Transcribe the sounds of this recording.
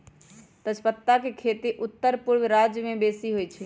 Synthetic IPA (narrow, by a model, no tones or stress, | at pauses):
t̪ət͡ʃʰpət̪ːakekʰeːt̪iʔʊt̪ːəɾpʊɾʋɾaːd͡ʒjəmẽbeːsiɦoit͡ʃʰil